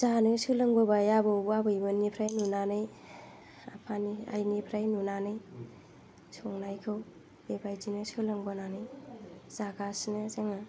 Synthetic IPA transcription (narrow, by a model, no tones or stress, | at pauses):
zanɯsɯlɯŋbɔbajabɯwbabɯjbɯnipʰɾajnunanɯj | apʰania̰jnipʰɾajnunanɯj | sɔŋnajkʰɯw | b̥ebajd͡ʒinɯsɯlɯŋbɔnanɯjzaɡasnɯzaŋa